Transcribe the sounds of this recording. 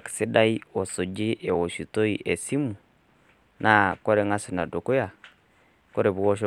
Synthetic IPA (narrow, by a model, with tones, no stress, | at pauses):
ki̥si˦da˦i˦o˨so˨d͡ʒe˦ʔe˨wo˨ʃu˨to˦iʔe˨si˦mu˨ | na˦kɔ˦ɾe˦ŋa˦si˨na˨do˨ku˦ja˨ | ko˦ɾe˨βu˨wo˦ʃ̬o